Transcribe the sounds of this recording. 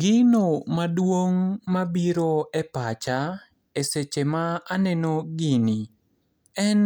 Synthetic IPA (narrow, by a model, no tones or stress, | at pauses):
ɡɪnomadwoŋmabiɾoɛpat͡ʃa | eset͡ʃemaːnɛnoɡɪni | ɛn